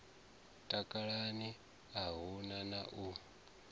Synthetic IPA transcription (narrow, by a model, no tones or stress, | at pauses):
tʼakʼaɺani | aɦunanaʔu